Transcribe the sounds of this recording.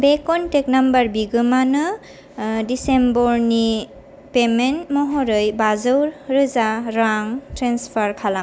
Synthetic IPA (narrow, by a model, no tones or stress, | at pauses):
bekɔntek̚nambaɾbiɡɯmanɯ | disembɔɾni | pementmɔɦɔɾɯjbazɯwɾɾɯzaɾaŋtɾenspʰaɾkʰala